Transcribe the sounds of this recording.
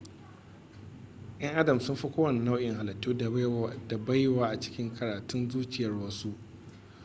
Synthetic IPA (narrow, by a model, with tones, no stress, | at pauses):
ʔɐ˦ŋʔa˦dɐ˨msʊ˦mɸi˦kʷoː˦wɐ˨n˨na˦wʔɪ˨ŋɦa˨lɐ˨tːuː˦˨da˨ba˦jwaː˦ʔa˨t͡ʃɪ̥˦kʲɪ˦ŋkʰɐ˨ɾaː˨tʊ˦nzuː˦t͡ʃʲɪ˨jɐ˨rwɐ˦su˦ʔ